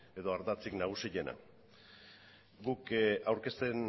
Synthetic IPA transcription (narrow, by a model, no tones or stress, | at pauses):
e̞ðo̞aɾðat͡siknaɣ̞usiʎe̞na̰ | ɡukawɾke̞st̪e̞n